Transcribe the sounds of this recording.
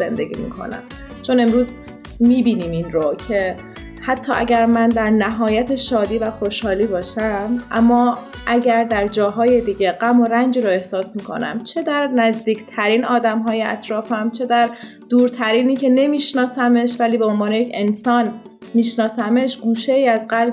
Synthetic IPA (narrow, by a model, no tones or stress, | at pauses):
z̥e̞nd̪e̞ɟʲḭːmḭːkʰo̰næ̰m | t͡ʃʰo̞ne̞mɾuːz | miːbiːniːminɾocʰe | hæt̪ʰːɒːʔæ̰ɟæɾmænd̪æɾnæɦɒːjæt̪ʰeʃɒːd̪iːvæxo̞ʃhɒːliːbɒːʃæmʔæmːɒː | ʔæɟæɾd̪æɾd͡ʒɒːɦɒːje̞d̪iːɟe̞ɢæmo̞ɾænd͡ʒiːɾoe̞hsɒːsmiːkʰo̰næ̰mt͡ʃʰe̞d̪æɾnæzd̪iːcʰt̪ʰæɾiːnɒːd̪æmɦɒːjeæ̰t̪ɾɒːfæmt͡ʃʰe̞d̪æɾ | d̪̥uːɾt̪ʰæɾiːniːcʰe̞ne̞miːʃnɒːsæme̞ʃvæliːbe̞onvɒːnejecʰe̞nsɒːn | miːʃnɒːsæmeʃɡuːʃeiːæzɢæl